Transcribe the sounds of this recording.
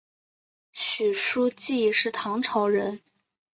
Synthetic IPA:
ɕy˨˩ʂu˥t͡ɕi˥˩˥ʂɻ̩˥˩t̪ʰɑ˧˥ŋʈ͡ʂʰɑ˧˥ʊɻə˧˥n

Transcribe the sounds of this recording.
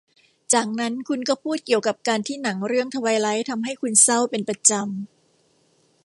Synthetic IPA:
t͡ɕaː˨˩k̚na˦˥nkʰu˧nkɔː˥˩pʰuː˥˩t̪̚ki˨˩əwka˨˩p̚kaː˧nt̪ʰiː˥˩na˩˦ŋɾɯ˥˩əŋt̪ʰa˧wa˧jla˦˥jt̪ʰa˧mɦa˥˩jkʰu˧nsa˥˩wpe˧npɾa˧t͡ɕa˧m

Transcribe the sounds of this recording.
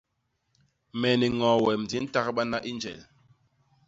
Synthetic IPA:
mɛ˨ni˨ŋɔ̃˨wɛ˨md͡zi˨˦n̩˦ta˦kɓa˦na˦ʔi˦nd͡ʒɛ̰˨l

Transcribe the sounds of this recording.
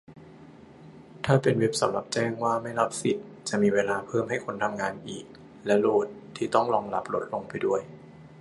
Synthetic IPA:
t̪ʰaː˥˩pe˧nwe˦˥p̚sa˨˦mla˨˩p̚t͡ɕɛː˥˩ŋwaː˥˩ma˥˩jɾa˦˥p̚si˨˩t̪̚ | t͡ɕa˨˩ʔmiː˧weː˧laː˧pʰɤː˥˩mɦa˥˩jkʰo˧nt̪ʰa˧mŋaː˧nʔiː˨˩k̚ | lɛ˦˥loː˥˩t̪ʰːiː˥˩t̪ɔ˥˩ŋlɔː˧ŋla˦˥p̚lo˦˥t̪̚lo˧ŋpa˧jdu˥˩əj

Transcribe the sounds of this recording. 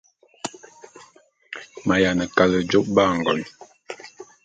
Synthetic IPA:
ma˨ja˨nə˨ka˨lə˨d͡ʒo˦p̚ba˦˨ŋ̩˨ɡɔ˨n

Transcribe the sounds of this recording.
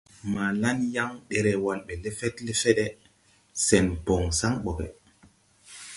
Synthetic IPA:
ma˨la˦nja˦ŋɗɛ˨ɾɛ˨wa˨lɓɛ˨le˦fɛ˦tle˦fɛ˦ɗɛ˦ | sɛ˨npɔ˨ŋsa˦ŋɓɔ˨ɡɛ̰˨

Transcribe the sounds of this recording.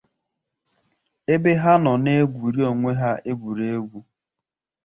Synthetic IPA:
e˦be˦ɦa˦nɔ˨ne˦ɡʷu˨ɾi˦o˨ŋʷe˦ɦa˦e˦ɡʷu˨ɾe˦e˦ɡʷu˦

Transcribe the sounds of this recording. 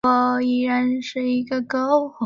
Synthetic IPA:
ɔ˧˩i˥˩ɻa˧˥nʂɻ̩˥˧i˧˥ɡə˧kɤ˥ʊx

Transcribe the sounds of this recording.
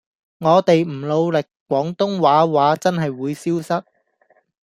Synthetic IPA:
ŋɔː˨˧t̪e˨jm̩˨˩lo˨˧wlɪ˨k̚kːʷwɔː˨˥ŋt̪ʊ˥ŋwaː˨˥waː˨˥t͡sɐ˥nɦɐ˨jwuː˨˧jsiː˥wsɐ˥t̚

